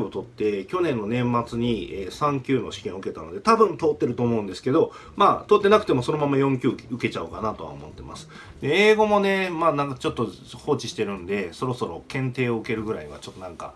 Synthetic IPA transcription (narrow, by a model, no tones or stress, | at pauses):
ot̪o̞t̪ːe̞kʲo̞nẽnːo̞nẽ̞mːat͡sɨɲ̟ieːsãŋkʲɨːno̞ɕi̥kẽ̞ɰ̃ɯ̟ke̞t̪ano̞d̪e̞t̪abɯ̟̃nt̪o̞ːt̪ːe̞ɾɯ̟t̪o̞ːmo̞ɯ̟̃nd̪e̞sɨ̥ke̞d̪o̞ | maːt̪ot̪ːe̞nakɯ̥t̪emo̞so̞no̞mamajõ̞ŋkʲɨːkʲiɯ̟ke̞t͡ɕaɯkanat̪o̞βa̰o̰mo̞t̪ːe̞ma̰sɨ̥ | d̪e̞eːɡo̞mo̞ne̞maːnãkt͡ɕo̞t̪ːo̞ | ho̞ːt͡ɕiɕi̥t̪e̞ɾɯ̟̃nd̪e̞so̞ɾo̞so̞ɾo̞̰kẽ̞nt̪e̞ːoɯ̟ke̞ɾɯ̟ɡɯ̟ɾaiɲiβat͡ɕot̪ːo̞nãŋka